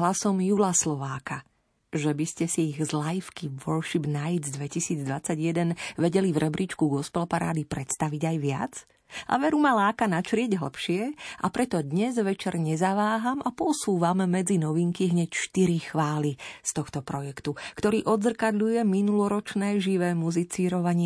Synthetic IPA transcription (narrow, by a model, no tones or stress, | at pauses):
ɦlasɔmjulaslɔʋaːka | ʒɛbiscɛsiiɣzlajifkiʋɔɾʃibnaj̪zd̪ʋɛcisiːd͡zd̪ʋat͡saɟjɛd̪ɛnʋɛɟɛlivɾɛbɾʔit͡ʃkuɡɔspɛlpaɾa̰ːd̪ipɾɛt̪st̪aʋiɟajʋɪa̰d͡z | ʔa̰ʋɛɾumalaːkanat͡ʃɾɪɛɟɦl̩pʃɪɛʔa̰pɾɛt̪ɔd̪ɲɛzʋɛt͡ʃɛɾɲɛzaʋaːɦamapɔsuːʋamːɛd͡zinɔʋiŋkiɦɲɛcʃt̪iɾixʋaːlist̪ɔxt̪ɔpɾɔjɛkt̪ukt̪ɔɾiːʔɔd̪zr̩kad̪ʎujɛminulɔɾɔt͡ʃnɛːʒiʋɛːmuzit͡siːɾɔʋaɲɪɛ